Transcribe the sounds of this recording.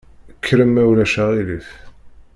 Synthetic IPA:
əkʰːɾəmːæwlæʃæʁiliθ

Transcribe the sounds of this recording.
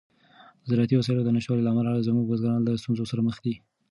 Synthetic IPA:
zɾat̪iwasɑjlod̪ənaʃwɑlilaːmalazmuɡwazɡɑnɑnlast̪unzosaɾaməxd̪i

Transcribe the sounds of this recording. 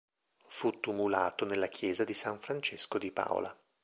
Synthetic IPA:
fut̪ːumulaːt̪onelːakʰjɛːzad̪isaɱfɾant͡ʃeskod̪ipa̰ːo̰la̰

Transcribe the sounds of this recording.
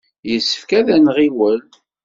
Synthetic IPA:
jəsːə̥fkæðænʁiwəl

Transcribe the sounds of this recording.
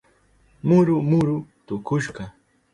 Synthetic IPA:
mʊɾʊmʊɾʊt̪ʊkʊʃɢɑ

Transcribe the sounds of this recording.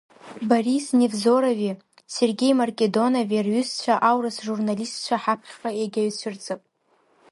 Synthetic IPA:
barisnevzo̞ɾovi | se̞rɡʲe̞jmarkʲʼe̞do̞naverɥʏst͡ɕʷʰaʔawrɨsʒurnalistt͡ʃʷʰaħapʰχʲqʼaeɡʲaɥt͡ɕʷʰɨrt͡sʼɨpʼ

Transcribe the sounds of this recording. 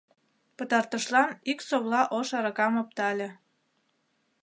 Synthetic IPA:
pət̪ɑrt̪əʃlɑniksoβlɑʔoʃɑɾɤkɑmop̚t̪ɑlʲe

